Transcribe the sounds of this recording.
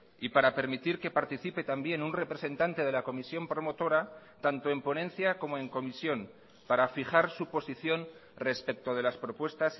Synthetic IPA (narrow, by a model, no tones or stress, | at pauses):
ipaɾape̞ɾmit̪iɾke̞paɾt̪iθipe̞t̪ambje̞nunre̞pɾe̞se̞nt̪ant̪e̞ð̞e̞lako̞misjo̞mpɾo̞mo̞t̪o̞ɾa | t̪ant̪o̞e̞mpo̞nẽ̞nθjako̞mo̞e̞ŋko̞misjo̞n | paɾafixaɾsupo̞siθjo̞nre̞spe̞k̚t̪o̞ð̞e̞laspɾo̞pwe̞st̪as